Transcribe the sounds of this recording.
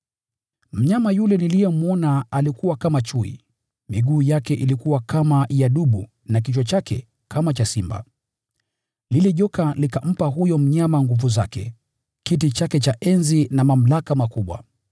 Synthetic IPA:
m̩ɲamajulɛnilijɔmuɔnaalikuwakamat͡ʃuḭ | miɠuːjakɛʔilikuwakamajaɗuɓu | nak̬it͡ʃɔt͡ʃakɛ̰ | kʰamat͡ʃasimba̰ | liliʄɔkalikam̩paɦujɔm̩ɲamaŋɡuvuzakɛ̰ | kitit͡ʃakɛt͡ʃaʔɛnzinamam̩lakamakuɓwa̰

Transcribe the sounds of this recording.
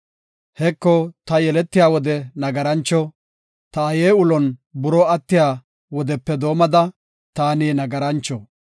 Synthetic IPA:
hɛkːɔt̪ɐjɛlɛt̪ːɪjaːwɔd̪ɛnɐɡɐɾɐnt͡ʃːɔ | t̪ɐːjeːʊlɔnbʊɾɔɐt̪ːɪjaː | wɔd̪ɛpːɛd̪o̞ːmɐd̪ɐ | t̪aːniːnɐɡɐɾɐnt͡ʃːɔ

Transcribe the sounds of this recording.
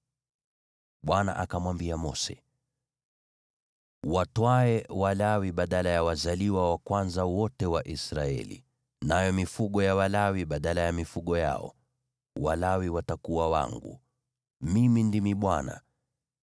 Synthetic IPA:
ɓwana̰ʔakamwambiamɔsɛ̰ | watwaɛwalawiɓaɗalajawazaliwawakwanzawɔtɛwaʔisɾaɛ̰lḭ | najɔmifuɠɔjawalawiɓaɗalajamifuɠɔja̰ɔ̰ | walawiwatakuwawa̰ŋɡṵ | mimindimiɓwana̰

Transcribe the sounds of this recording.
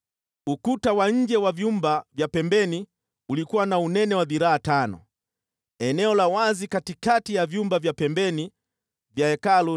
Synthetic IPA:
ukutawaɲ̩d͡ʒɛwavjumbavjapɛmbɛni | ulikuwanaunɛnɛwaðiɾaːtanɔ̰ | ɛnɛɔlawazikatikatijavjumbavjapɛmbɛni | vjaɛkalu

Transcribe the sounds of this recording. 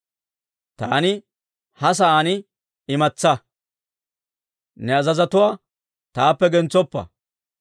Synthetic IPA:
t̪aːnɪ | hɐs̬ɐaːnɪ | ɪmɐt͡sːɐ | nɛɐzɐzɐt̪ʊwaː | t̪aːpːɛɡɛnt͡sːɔpːɐ̰

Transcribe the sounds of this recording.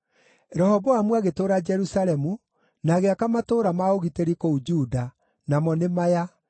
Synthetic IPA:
ɾɔhɔbɔamwaɣetoːɾad͡ʒɛɾusaɾɛmu | naɣeakamatoɾamaoɣiteɾikoud͡ʒuda | namɔnemaja

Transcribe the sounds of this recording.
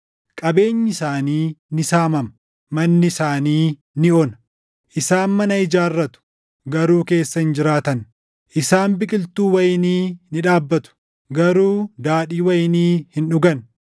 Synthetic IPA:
kʼɐbe̞ːɲːɪsaːniːnɪsaːmɐmɐ | mɐnːɪsaːniː | nɪoːnɐ | ʔɪsaːnmɐnɐɪd͡ʒaːrːɐt̪ʊ̥ | ɡɐɾuːke̞ːsːɐhɪnd͡ʒɪɾaːt̪ɐn | ʔɪsaːnbɪkʼɪlt̪uːwɐjɪniːnɪᶑaːbːɐt̪ʊ̥ | ɡɐɾuːd̪aːᶑiːwɐjɪniːhɪnᶑʊɡɐn

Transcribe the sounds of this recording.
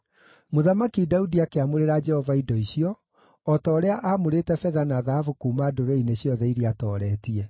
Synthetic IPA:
moðamakidaudiakeamoɾeɾad͡ʒɛhɔvaidɔiɕiɔː | tɔːɾeaʔamoɾetɛfɛðanaðahafukuːmaːdoɾɔineɕiɔðɛiɾiatɔːɾɛːtiɛ

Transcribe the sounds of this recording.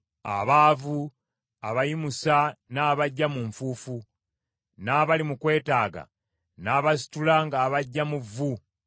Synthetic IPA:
a̰βaːvu | aβajimusanaːβaɟːamuɱfuːfu | naːβalimukwe̞ːtaːɡa̰ | naːβas̬i̥tulaŋɡaːβaɟːamuvːu

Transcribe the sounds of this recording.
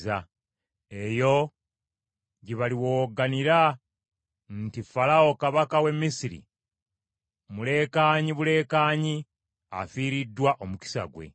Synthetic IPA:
a | e̞jo̞ | ɟiβaliwoːɡaniɾa | ntifalao̞kaβakawe̞mːisiɾḭ | mule̞ːkaːɲiβule̞ːkaːɲi | a̰fiːɾidːwaʔomuki̥sa̰ɡwe̞̰

